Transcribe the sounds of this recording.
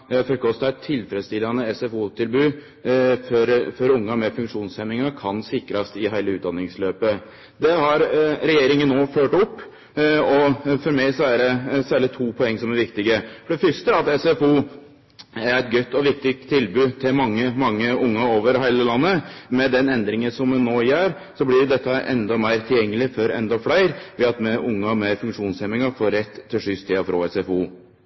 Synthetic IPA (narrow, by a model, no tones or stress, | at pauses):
fɔɾkʰɔst̪ɑɛɪt̪ʰːɪlfɾɛd̪st̪ɪlːɑnəɛsɛfuːt̪ʰɪlbʉː | fɔɾfɔɾʊŋːəmɛfʉŋkʂuːnsɛmɪŋɑkʰɑnsɪkɾɑst̪ɪɦæɪləʉːt̪d̪ɑnɪŋsløːpə | d̪ɛhɑɾɾɛjeːɾɪŋənːoːføːʈɔpː | ɔfɔɾmæɪsɔæɖɛsæːɾɭɪt̪ʰuːpʰɔɛŋːsɔmæɾʋɪkt̪ɪɡəfɔɖɛfʏʂʈ̪əɑt̪ɛsɛfuː | æɾɛɪt̪̚ɡœt̪ːɔʋɪk̚t̪ɪkt̪ʰːɪlbʉːt̪ʰɪlmɑŋːəmɑŋːəʊŋːəoːʋəɾɦæɪləlɑnːəmɛd̪ɛnɛnd̪ɾɪŋəsɔmnːoːjæːɾ | sɔblɪɾd̪ɛt̪ːɑʔɛ̰nd̪ɑmæɪɾt̪ʰɪljɛŋːəlɪfɔɾɛ̰nd̪ɑflæɪɾʋɪɑt̪mɛʔʊŋːɑmeɪɾfʉŋkʂuːnsɛmɪŋɑfoːɾɛt̪ʰːɪlʂʏst̪ʰiːɑfɾo̰ːɛsɛfuː